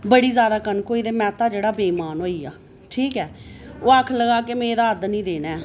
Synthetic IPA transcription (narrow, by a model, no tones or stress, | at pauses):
bəɽiːzjaːd̪aːkənkoːiːd̪eːmɛ̃ːt̪aːd͡ʒeːɽaːbeːmaːnɦoːiːjaː | ʈʰiːkɛːoːakʰləɡaːkemẽːd̪aːəd̪nĩːd̪eːnɛː